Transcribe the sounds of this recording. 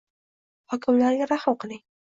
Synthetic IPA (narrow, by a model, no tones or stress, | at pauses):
hɒkʰʲɪmlaɾɡʲaɾahmqɨlɪŋ